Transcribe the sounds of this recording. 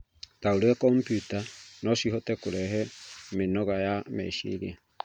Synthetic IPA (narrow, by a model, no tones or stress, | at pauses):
tauɾakɔmpjutanɔsihɔtɛkoɾɛɦɛmenɔɣajamɛ̰iʃḭɾia